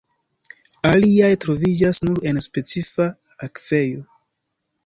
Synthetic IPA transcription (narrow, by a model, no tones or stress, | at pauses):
aliajtɾo̞vid͡ʒasnuɾe̞nspe̞t͡sifa | akve̞jo̞